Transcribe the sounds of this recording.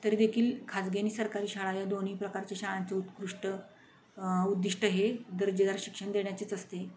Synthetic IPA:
t̪əɾed̪ekʰiːlkʰad͡zɡeniːsəɾkaɾiːɕaɭajad̪on̤iːpɾəkaɾt͡ɕeɕaɭat͡seut̪kɾuʂʈə | ud̪ːiʂʈəɦed̪əɾd͡ʑəd̪aɾɕi̥kʂəɳd̪eɳjat͡ɕiːt͡səst̪e

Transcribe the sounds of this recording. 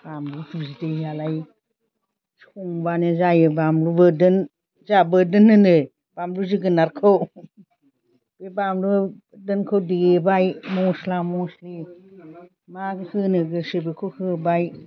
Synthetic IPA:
bamlusuzitejalaj | suŋbanezajɯbamlubɯdɯn | zabədɯnːɯnɯ | b̥amluziɡɯnaɾkʰɯw | b̥ebamlu | dɯnkʰowdiebajmɔslamɔsli | maɡɯhɯnɯɡɯsɯbikʰohɯbaj

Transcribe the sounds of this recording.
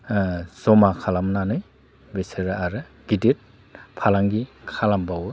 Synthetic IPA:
sɔmakʰalamnanɯj | beseɾaaɾɯ | ɡ̥idit̚ | pʰalaŋɡikʰalambawɯ

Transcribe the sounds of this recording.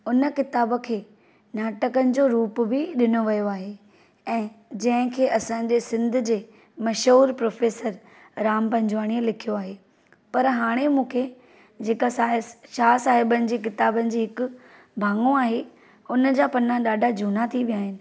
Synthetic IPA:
ʊnəkɪt̪aːbə̆kʰeː | naːʈəkənɪ̆d͡ʑoːɾuːpbɪɗɪnoʋɐjoaːɦe | ɛ̃ːd͡ʑɐ̃ɦɪ̃kʰeːʔɐsã̆d͡ʑesɪ̃nd̪ʱʊ̆d͡ʑeː | mɐʃɦuːɾpɾoːfeːsəɾ | ɾaːmpɐ̃ɲd͡ʑʋaːɽ̃iəlɪkʰijoaːɦeː | pɐɾɦaːɽ̃emũːkʰe | d͡ʑeːkasaʃaːsaːɦɪbənɪ̆d͡ʑiːkɪt̪aːbənɪ̆d͡ʑiːɦɪkʊ̆ | bʱãːŋɡõaːɦe | ʊnəd͡ʑaːpɐnãɗaːɖʱad͡ʑʱuːnat̪ʰiʋijaːɦɪnɪ̆

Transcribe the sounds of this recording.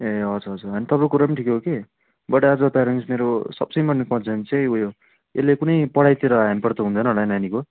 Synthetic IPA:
eʌd͡zuɾʌd͡zurʌnit̪ʌbɾokuɾap̬ʌnʈʰikoɦoke | bʌʈaad͡zʌt̪aɾʌnsimeɾosʌ̰bsʌjmʌnekʌ̃nt͡sʰʌnt͡sʰeujo | elːekunʌjpʌɽajt̪eɾʌɦamipʌrt̪ʌɦund̪ʌnʌɽananiko

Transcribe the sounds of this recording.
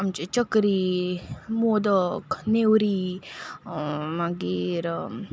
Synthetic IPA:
amt͡ʃit͡ʃəkɾi | moːd̪əknewɾi | maɡiɾ

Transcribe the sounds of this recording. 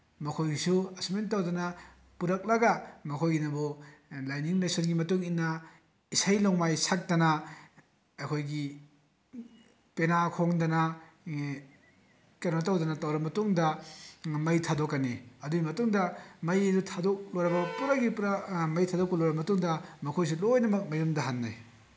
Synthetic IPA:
mɐkʰojsuɐsmentɐwdɐnɐ | puɾɐk̚lɐɡɐmɐkʰojɡinɐbulajniŋnajsonɡimɐtuŋinːɐ | isajloŋmajsak̚tɐnɐ | ɐkʰojɡi | penakʰoŋdɐnɐ | keɾmatɐwdɐnɐtɐwɾɐmɐtuŋdɐ | mɐjtʰadokːɐniɐduɡimɐtuŋdɐmɐjɐdutʰadok̚lojɾɐbɐpuɾɐk̚ɡipɾmɐjtʰadok̚ːɐlojɾɐmɐtuŋdɐmɐkʰojs̬ilojnɐmɐk̚mɐjumdɐɦanːa̰j

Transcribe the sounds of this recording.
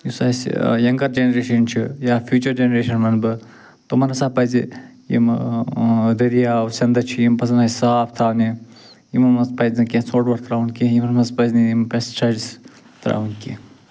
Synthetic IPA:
jusaːsjɐŋɡɐɾd͡ʒenɐɾeːʃɐnt͡ʃʰijaːfʰjuːt͡ʃɐɾd͡ʒenɐɾeːʃɐnmɐnbɨ | t̪omɐnɐsaːpɐzijḭm | d̪ɐɾijaːsɐnd̪ɐt͡ʃʰijimpɐsɐnasaːpt̪ʰaːni | jimɐnmɐspɐznikʲẽːsoːʈbɐɾt̪ɾaːunkẽjimɐnmɐspɐzniimpɐst͡ʃɐd͡ʒis | t̪ɾa̰unkḛ

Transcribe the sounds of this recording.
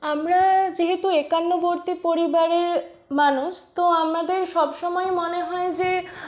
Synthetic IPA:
amɾad͡ʑeɦet̪uekanːoboɾt̪ipoɾibaɾeɾ | manuʃt̪oamnad̪eɾʃɔbʃɔmɔemoneɦɔed͡ʑe

